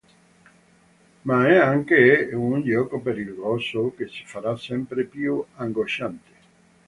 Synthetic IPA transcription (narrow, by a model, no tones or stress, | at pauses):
maɛaŋkeunʎɔːkopeɾilɡɔsokesi̥faɾasɛmpɾepjuaŋɡoʃant̪e̥